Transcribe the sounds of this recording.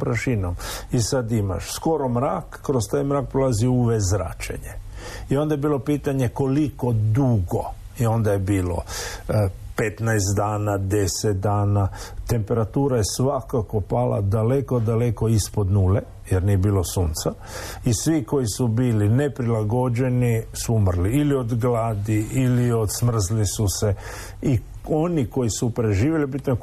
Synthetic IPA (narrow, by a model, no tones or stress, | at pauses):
pɾaʃinomisad̪ima̰ʃsko̞ɾo̞mɾaːkːɾost̪ajmɾaːk̚pɾolˠaziuʋezɾa̰ːt͡ʃḛɲe | io̞nd̪ajebiːlo̞piːt̪aɲe̞ko̞liko̞d̪uɡo̞̰ | io̞nd̪ajebiːlo̞̰ | pet̪najst̪d̪aːnad̪e̞set̪̚d̪aːnat̪e̞mpe̞ɾat̪uːɾaje̞sʋakakopala̰d̪ale̞kod̪ale̞ko̞ispo̞d̪nuːle | jeɾnijebiːlo̞suːnt̪sa | isʋiko̞jisubiːline̞pɾilaɡo̞d͡ʒe̞nisuumrliilio̞d̪ɡlaːd̪iilio̞d̪smr̩zlisuse̞ | i | o̞niko̞jisupɾe̞ʒiːʋjelibit̪no